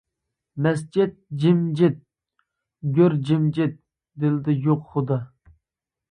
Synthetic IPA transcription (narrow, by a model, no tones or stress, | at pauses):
mɛs̬d͡ʒɪt̪̚d͡ʒɪmd͡ʒɪt̪̚ | ɡʲøɾd͡ʒɪmd͡ʒɪt̪̚ | d̪ɪlɪd̪ɪjoqχʊd̪ɑ